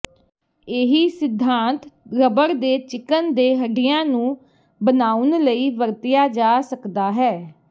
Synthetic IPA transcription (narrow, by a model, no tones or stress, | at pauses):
eːɦiːsɪd̪ʱːãːnt̪ɾəbəɾd̪eːt͡ʃɪkənd̪eːɦəɖɪjãːnũː | bənaːʊnləiːʋəɾt̪ɪjaːd͡ʒaːsəkd̪aːɦɛː